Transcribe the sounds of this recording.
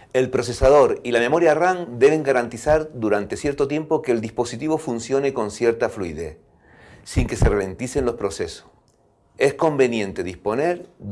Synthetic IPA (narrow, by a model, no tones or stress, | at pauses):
e̞lpɾo̞se̞sað̞o̞ɾilame̞mo̞ɾjaraŋd̪e̞βe̞ŋɡaɾant̪isaɾd̪uɾant̪esje̞ɾt̪ot̪je̞mpo̞keːld̪ihpo̞sit̪iβo̞funsjo̞ne̞ko̞nsje̞ɾt̪afluiðḛθ | siŋke̞serele̞nt̪ise̞nlo̞spɾose̞so̥ | e̞sko̞mbe̞njẽ̞nt̪e̞ðispo̞neɾ